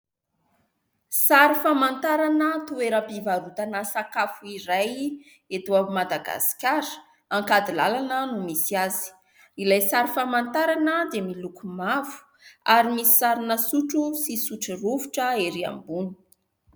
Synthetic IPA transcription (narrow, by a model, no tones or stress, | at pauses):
saɾifamant̪aɾanət̪ueɾəpivaɾut̪anəsakafuiɾaj | et̪uaumad̪aɡa̰si̥kʲaɾə̥ | aŋkad̪ilalanənumisiazi̥ | ilajsaɾifamant̪aɾanəd̪emilukumavu̥ | aɾimisi̥saɾinəsuʈ͡ʂusisuʈ͡ʂiruvuʈ͡ʂəeɾia̰mbunu̥